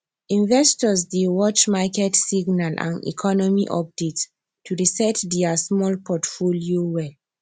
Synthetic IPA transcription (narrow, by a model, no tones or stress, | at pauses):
ĩnvɛstɔsdewɔt͡ʃmakɛtsiɡnalʔã̰nḭkʰɔnɔmiʔɔp̚det | tːuɹisɛtdɛasmɔlpʰɔtfoliowɛl